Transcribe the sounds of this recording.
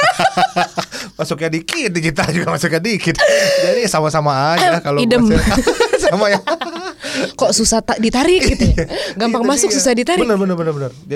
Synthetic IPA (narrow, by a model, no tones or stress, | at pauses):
masʊkɲadikɪt̪̚did͡ʒit̪ad͡ʒuɡamasʊkɲadikɪt̪d͡ʒadisamasamaːd͡ʒakaloidəm | samaja | kɔʔsusaht̪adit̪aɾɪkiuaɡampaŋmasʊk̚susahdit̪aɾibənərbənərbənərbənərd͡ʒ